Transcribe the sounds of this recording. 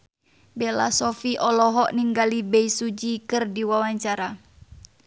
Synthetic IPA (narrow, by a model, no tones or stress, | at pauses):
bɛlasɔfiʔɔlɔɦɔʔniŋɡalibɛisud͡ʒikɨrdiwawaɲt͡ʃaɾa